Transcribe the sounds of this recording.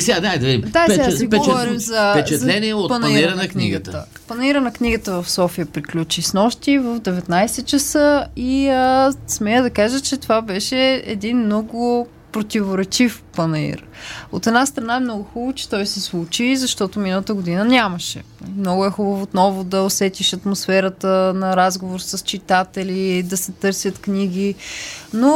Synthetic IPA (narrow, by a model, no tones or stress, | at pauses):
sad̪ad̪ɐviimd̪asaiɡɛovɔɾimzɐpɛt͡ʃɛtzlɛniɛot̪pɐnɐiɾnɐkniɡət̪ə̰ | pɐnɐiɾənɐkniɡət̪əvɐfsɔfijəpɾiklʲut͡ʃisnɔʃt̪ivəvd̪ɛvɛt̪najsɛt͡ʃɐsəiəsmɛjəd̪ɐkaʒət͡ʃɛt̪ovabɛʃɛɛ̰d̪inmnɔɡʊ | pɾot̪ʲivoɾɛt͡ʃifpənɐḭɾot̪ɛd̪ast̪ɾɐnaɛmnɔɡʊxubot͡ʃɛ̥t̪ɔjsɛslˠut͡ʃizɐʃt̪ɔt̪ominəlˠət̪əɡʊd̪inənʲaməʃɛ̰mnɔɡʊɛxubəvoːt̪nɔvod̪ɐosɛt̪iʃɐt̪mosfɛɾət̪ənɐɾazɡovoɾsəst͡ʃit̪at̪ɛlʲid̪ɐsɛt̪ɤɾsʲjət̪kniɡ̟ʲino